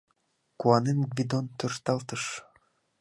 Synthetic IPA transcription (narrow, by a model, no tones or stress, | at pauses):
kuɑnʲenɡvʲid̪ont̪ørt̪ɑlˠt̪ɤ̆ʂ